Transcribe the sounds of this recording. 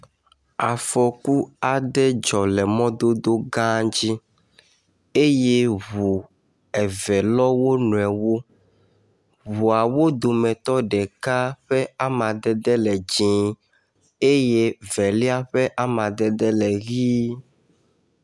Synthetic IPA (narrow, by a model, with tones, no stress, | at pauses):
a˨fɔ˨ku˦a˨ɖɛ˦d͡ʒɔ˨lɛ˨mɔ̃˦d̪o˦d̪o˦ɡã˦d͡ʑi˦ | e˦je˦βu˨ | ɛ˨vɛ˨lɔ˦wo˦nũ˨ɛ˨wo˦ | βu˨a˨wo˦d̪o˨mɛ̃˨t̪ɔ˦ɖɛ˨ka˦ɸɛ˦a˦mã˨d̪ɛ˦d̪ɛ˦lɛ˨d͡ʑĩ˨˦ | e˦je˦vɛ˨li˦a˦ɸɛ˦ʔa˦mã˨d̪ɛ˦d̪ɛ˦lɛ˨ɣi˦